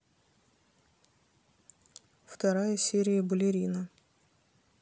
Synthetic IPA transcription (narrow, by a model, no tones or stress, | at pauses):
ft̪ɐɾajəsʲeɾʲɪjəbəlʲɪɾʲinə